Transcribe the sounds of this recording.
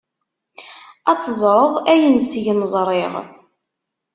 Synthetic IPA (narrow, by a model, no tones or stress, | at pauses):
ɑt͡sːəzˤɾˤəðˤæjənsʝənzˤɾˤɪʁ